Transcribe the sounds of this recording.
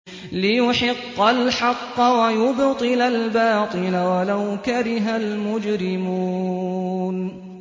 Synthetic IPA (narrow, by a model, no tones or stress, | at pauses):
lɪjʊħɪqːɑlħɑqːɑwajʊbt̪ˤɨlalbɑːt̪ˤɨlawalawkaɾɪɦalmʊd͡ʒɾɪmuː | n